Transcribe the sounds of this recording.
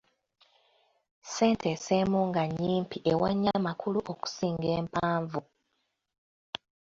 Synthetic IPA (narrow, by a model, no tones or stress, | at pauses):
se̞ːntʰeseːmuːŋɡaɲiːmpiʔewaɲːamakuluʔo̞ku̥siːŋɡe̞ːmpaːɱvu